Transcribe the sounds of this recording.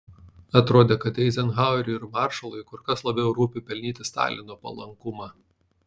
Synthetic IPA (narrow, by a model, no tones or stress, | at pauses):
ɐt̪ɾoːd̪ʲeːkɐt̪ɛɪzʲɛnɣɑˑʊɾʲʊɪɾmɑˑɾʃɐlˠɔɪkʊɾkɐslˠɐbʲɛʊɾuːpʲɪpʲɛlʲnʲiːt̪ʲɪst̪ɑ̰ːlʲɪnoːpɐ̰lˠɐ̰ŋkʊmɑː